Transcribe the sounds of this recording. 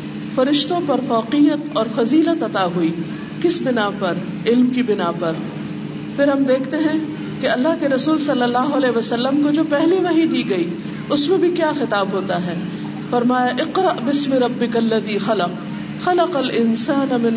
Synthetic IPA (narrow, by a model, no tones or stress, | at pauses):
fɐɾɪʃt̪õpɐɾfɔːqijət̪ɔːɾfɐziːlət̪ɐt̪aɦuiː | kɪsbɪnapɐɾ | ɪlmkibɪnapɐɾ | fɪɾɦɐmd̪eːkʰt̪eɦɛ̃ | keɐlːaɦkeɾɐsuːlsɐlːəlːaːɦoɐlɛːɦʋɐsɐlːəmkod͡ʒoːpɛɦliʋɐɦĩd̪iːɡɐiː | ʊsmẽbʱikjaːxɪt̪aːbɦoːt̪aɦɛː | fɐɾmaːjaʔɪqɾɐʔbɪsmɪɾɐbːɪkɐlːɐðiːxɐlɐq | xɐlɐqɐlʔɪnsaːnamɪ̃n